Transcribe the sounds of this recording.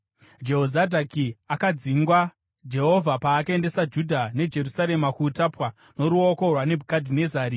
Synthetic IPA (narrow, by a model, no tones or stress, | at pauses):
d͡ʒe̞ɦozadʱakiakad͡ziŋɡwa | d͡ʒe̞ɦo̞vʱapaːkae̞nde̞sad͡ʒudʱane̞d͡ʒe̞rusaɾemakutapwa | no̞ɾuoko̞rwane̞bʱukadʱine̞zaːɾi